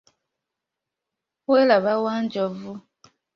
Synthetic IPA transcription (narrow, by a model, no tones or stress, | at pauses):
welaβawand͡ʒɔvu